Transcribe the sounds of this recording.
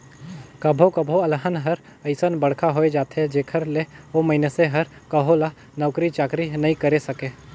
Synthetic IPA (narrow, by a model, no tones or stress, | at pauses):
kɐbʱokəbʱoɐlɦənɦɐɾ | əɪsənbɐɽ̤kʰaɦoːed͡ʒaːt̪ɦɛd͡ʒeːkʰəɾleoməɦɪneseɦɐɾkəɦola | nəʊkɾit͡ʃaːkɾinɐɦĩkɐɾesɐkeː